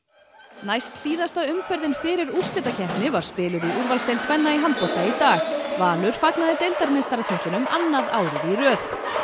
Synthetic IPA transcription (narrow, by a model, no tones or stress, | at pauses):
najst̪siːðast̪aʏmfœɾðɪnfɪɾɪɾur̥st̪ɛt̪acʰɛhpnɪvaɾ̥spɪːlʏɾiʔuɾvalst̪ejlkʰvɛnːaiɦant̪̚pɔht̪ait̪aːɣvaːlʏɾ̥faknaðɪt̪ejlt̪aɾmest̪aɾat̪ʰɪn̥t̪ʏnʏmanːaðaːwɾɪðirœːθ